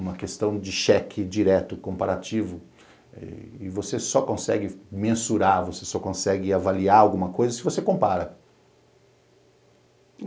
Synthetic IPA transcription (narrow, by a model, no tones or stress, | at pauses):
ũmɐkest̪ɐ̃w̃d͡ʒɪʃɛkʰɪd͡ʒiɾɛt̪ʊkõpaɾat͡ʃivʊ | ɛ̰ɪvosesɔkõsɛɡɪmẽsuɾaɾvosesɔkõsɛɡɪavaliaɾawɡũmɐkojzɐsɪvosekõpaɾɐ